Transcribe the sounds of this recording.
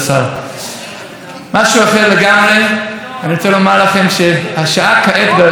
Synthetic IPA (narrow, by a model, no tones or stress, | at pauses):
sa | maʃuaχeleɡamʁeaniʁt͡sɛlomalaχemʃehaʃaakaʔɛt̪be